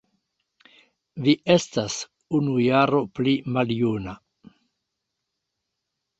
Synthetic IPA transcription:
viʔe̞stas | unujaɾo̞plimaljuna

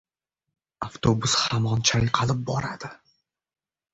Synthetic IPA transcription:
aft̪ʰobʊshamɒnt͡ʃʰajqʰɑlɪp̚bɒɾad̪̥ɪ

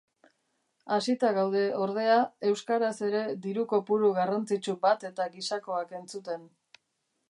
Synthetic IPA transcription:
asit̪aɣawð̞e̞o̞ɾð̞e̞ae̞wskaɾase̞ɾe̞d̪iɾuko̞puɾuɣarant͡sit͡ʃubat̪e̞t̪aɡisako̞ake̞nt͡sut̪e̞n

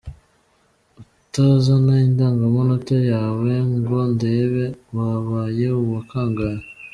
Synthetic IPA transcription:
u | tazanaindaːŋɡamonotajaːwe̞ŋɡondeβewaβaːje̞uβakaːŋɡaɾa

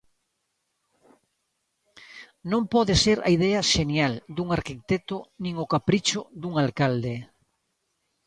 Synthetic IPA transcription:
nõmpɔðeseɾa̰iðɛaʃenjald̪uŋaɾkit̪et̪onĩŋokapɾit͡ʃod̪uŋalkald̪e

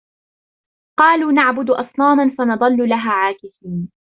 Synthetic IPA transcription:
qɑːluːnaʕbʊd̪ʔɑsˤnɑːmanfanɑd̪ˤɑlːʊlaɦaːʕaːkɪsiːn

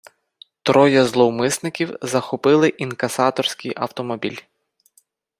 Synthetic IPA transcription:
t̪ɾɔjɐzlˠɔwmɪsnɪkʲiwzɐxɔpɪlˠɪʔinkɐsɑt̪ɔrsʲkʲijʔɐ̰wt̪ɔmɔbʲḭlʲ

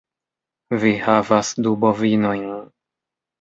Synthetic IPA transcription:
vihavasd̪ubɔvinɔj

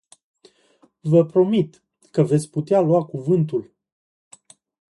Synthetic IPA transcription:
vəpɾo̞mit̪ | kəve̞t̪sʲput̪ealuwakuvɨnt̪ul

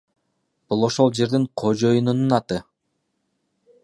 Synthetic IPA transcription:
b̥ulˠo̞ʃo̞lˠd͡ʒe̞ɾd̪iɴqʰo̞d͡ʒo̞junununɑt̪ɯ

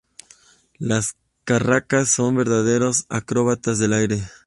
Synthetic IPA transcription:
las | karakasːo̞mbe̞ɾðað̞e̞ɾosa̰kɾoβat̪azðe̞lajɾe̞

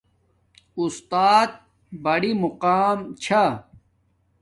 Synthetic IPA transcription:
ust̪aːt̪̚ | bɐɽimuqaːmt͡ɕʰa

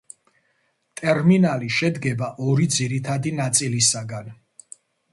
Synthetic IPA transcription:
t̪ʼɛɾminaliʃɛd̪ɡɛbaʔɔɾid̪ziɾit̪ʰad̪inat̪sʼilisaɡan

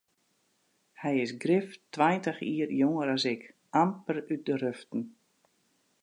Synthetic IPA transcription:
hɛjɪsɡrɪftwajntəxiərjoŋəɾasɪk | ampəryt̚dəɾøftn̩

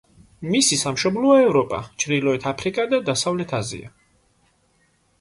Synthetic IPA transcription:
misisamʃɔblˠɔɔɛvɾɔpʼa̰t͡ʃʰɾd̪ilˠɔɛt̪ʰapʰɾikʼad̪ad̪asavlɛt̪ʰazḭa̰

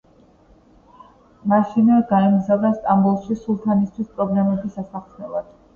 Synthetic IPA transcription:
maʃinɛɡaɛmzavd̪ast̪ʼambulˠʃisulˠt̪ʰanist̪ʰwispʼɾɔblɛmɛbisasaχnɛlˠad̪̥

